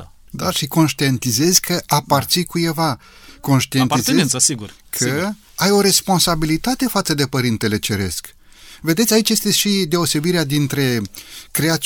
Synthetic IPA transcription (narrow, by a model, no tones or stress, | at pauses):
d̪aʃiko̞nʃt̪ient̪ize̞zʲkʰəʔapart̪sikuje̞va | ko̞nʃt̪ientizesiɡur | kʰə | ajo̞ɾe̞spo̞nsabilit̪at̪e̞fat̪səd̪e̞pəɾint̪e̞le̞t͡ʃe̞ɾe̞̰sk | ve̞d̪e̞t̪sʲait͡ʃje̞st̪eʃid̪e̞o̞se̞biɾead̪int̪ɾe̞kɾeat̪